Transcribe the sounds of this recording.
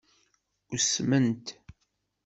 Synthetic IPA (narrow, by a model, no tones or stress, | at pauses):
uɾsmənt̪